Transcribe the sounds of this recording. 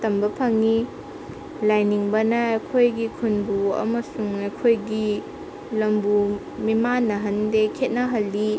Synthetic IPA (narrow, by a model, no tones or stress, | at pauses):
tɐmbɐpʰɐŋi | lajniŋbɐnɐːjkʰojɡikʰunbuɐ̰mɐsuŋɐjkʰojɡi | lɐmbu | mimanːɐɦɐndekʰet̚nɐɦɐlːi